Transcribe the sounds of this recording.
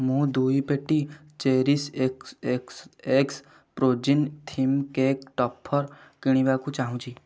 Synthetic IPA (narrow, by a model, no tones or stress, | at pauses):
mũːd̪uːipeʈːi | t͡ʃeːɾisekekseːks | pɾoːd͡ʒint̪ʰimkekʈɔpʰːəɾkɪɽ̃iʋakut͡ʃaːɦũt͡ʃʰiː